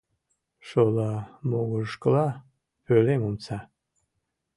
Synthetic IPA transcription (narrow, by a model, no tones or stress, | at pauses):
ʃolɑmoɣuʃkəlɑ | pølemumt͡sɑ